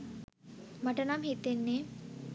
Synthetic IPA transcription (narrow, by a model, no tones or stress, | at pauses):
maʈənamhit̪ːenːe